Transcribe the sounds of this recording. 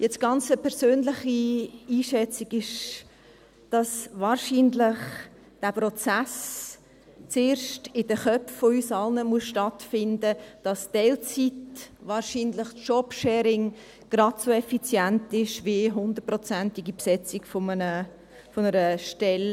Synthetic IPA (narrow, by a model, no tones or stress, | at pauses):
jɛt͡sɡ̥ɑnt͡səpʰɛɾsøːnlɪχiiːʃɛt͡siɡɪʃ | d̥ɑsvɑːɾʃiːnlɪχ | d̥æpɾɔt͡sæs | t͡seːɾʃtɪdəχœpffoysɑlnəmuəsʃtɑtfɪndəd̥ɑsd̥ɛlt͡sitʋɑːɾʃiːnlɪχtʃɔpʃɛːɾɪŋ | ɡ̥ɾɑdsoɛfit͡sjæntɪʃviɦʊnd̪ət̚prɔt͡sæntɪɡipsɛt͡siɡfomənə | fonəɾəʃtɛl